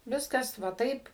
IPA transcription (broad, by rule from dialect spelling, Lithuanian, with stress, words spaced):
ˈʋʲɪskɐs ʋɐ ˈtɐɪp